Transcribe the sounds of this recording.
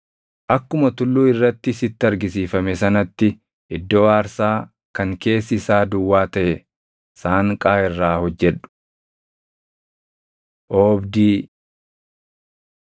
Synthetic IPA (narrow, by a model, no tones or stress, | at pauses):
ʔɐkːʊmɐt̪ʊlːuːɪrːɐt̪ːɪsɪt̪ːɪɐɾɡɪsiːfɐmɛsɐnɐt̪ːɪ | ʔɪd̪ːoːaːɾsaː | kɐŋke̞ːsːɪsaːd̪ʊwːaːt̪ɐʔɛ | saːŋkʼaːɪrːaːhɔd͡ʒːɛᶑʊ̥ | ʔoːbd̪iː